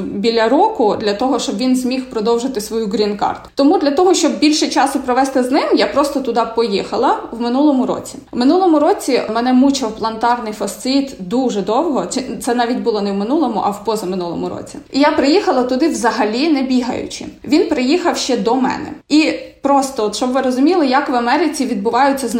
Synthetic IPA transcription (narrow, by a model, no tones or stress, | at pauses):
bʲilʲɐɾɔkʊd̪lʲɐt̪ɔɦɔʃt͡ʃɔbʋʲinzʲmʲixpɾɔd̪ɔwʒɪt̪ɪsʋɔjuɡɾʲinkɑ̰rt̪ʊ̥t̪ɔmud̪lʲɐt̪ɔɦɔʃt͡ʃɔb̚bʲilʲʃɛt͡ʃɑsʊpɾɔʋɛst̪ɪznɪmjapɾɔst̪ɔt̪ʊd̪ɑpɔjixɐlˠɐwmɪnulˠɔmʊɾɔ̰t͡sʲi̥mɪnulˠɔmʊɾɔt͡sʲimɛnɛmut͡ʃɐwplˠɐnt̪ɑrnɪjfɐst̪sɪt̪d̪uʒɛd̪ɔwɦɔt͡ʃɛt̪sɛnɑʋʲitʲbʊlˠɔnɛwmɪnulˠɔmʊʔɐwpɔzɐmɪnulˠɔ̰mʊɾɔ̰t͡sʲiijapɾɪjixɐlˠɐt̪ʊd̪ɪʋzɐɦɐlʲinɛbʲiɦɐ̰jʊ̰t͡ʃɪ̰ʋʲinpɾɪjixɐwʃt͡ʃɛd̪ɔmɛ̰nɛ̰ipɾɔst̪ɔɔt̪ʃt͡ʃɔbʋɪɾɔzʊmʲilˠɪjɐkʋɐmɛɾɪt͡sʲiʋʲid̪̚bʊʋɑjʊt͡sʲːɐz